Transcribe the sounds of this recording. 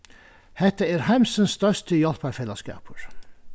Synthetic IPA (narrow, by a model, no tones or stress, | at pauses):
hɛt̪əeːɾhæmsənsːt̪œʂtəjɔlpɑɾfɛləskɑ̰ːpʰəɹ